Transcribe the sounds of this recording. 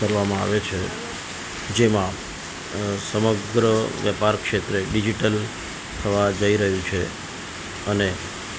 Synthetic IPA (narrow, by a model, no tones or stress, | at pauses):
kəɾʋamãa̰ʋet͡ʃʰe | d͡ʒemã | səməɡɾəʋjəpaɾkʃet̪ɾeɖid͡ʒiʈəl | t̪ʰəʋad͡ʒəiɾəɦjũt͡ʃʰe | əne